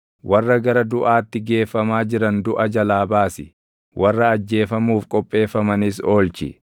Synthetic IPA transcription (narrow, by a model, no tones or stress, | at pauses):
wɐrːɐɡɐɾɐd̪ʊʔaːt̪ːɪɡe̞ːfːɐmaːd͡ʒɪɾɐnd̪ʊʔɐd͡ʒɐlaːbaːsɪ | wʔɐrːɐːd͡ʒːe̞ːfɐmuːfkʼɔpʼːe̞ːfːɐmɐnɪso̞ːlt͡ʃɪ̰